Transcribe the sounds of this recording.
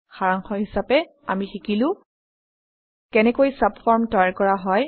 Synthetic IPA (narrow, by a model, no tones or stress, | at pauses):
xaɹaŋxɔɦisapɛ | a̰mixikilʊ̃ | kɛnɛkojsapfʰɔɹmtɔjaɹkɔɹaɦɔj